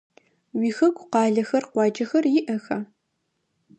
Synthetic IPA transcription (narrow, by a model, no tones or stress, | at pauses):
wiːxɐɡʷqɑːɮɐxɐrqʷɑːd͡ʒɐxɐrjɪʔɐxɐ